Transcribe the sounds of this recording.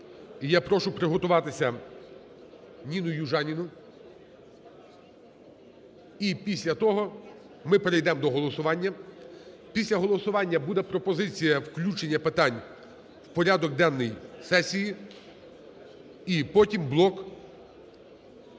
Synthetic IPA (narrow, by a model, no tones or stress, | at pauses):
japɾɔʃʊpɾɪɦɔt̪ʊʋɑt̪ɪsʲɐ | nʲinʊjuʒɑnʲinʊ | ipʲisʲlʲɐt̪ɔɦɔ | mɪpeɾejd̪ɛmd̪ɔɦɔlˠɔsʊʋɑnʲːɐ | pʲisʲlʲɐɦɔlˠɔsʊʋɑnʲːɐbud̪ɛpɾɔpɔzɪt͡sʲijɐwklʲut͡ʃenʲːɐpɪt̪ɑnʲ | wpɔɾʲad̪ɔɡ̚d̪ɛnːɔjsɛsʲiji | ipɔtʲimblˠɔk